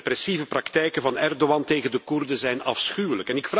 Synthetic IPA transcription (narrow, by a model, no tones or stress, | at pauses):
pɾɛsivəprɑkt̪ɛjkəvɑnɛrdowɑnteːɣəndəkurdəzɛjnɑfsxyːwələkɛnɪkf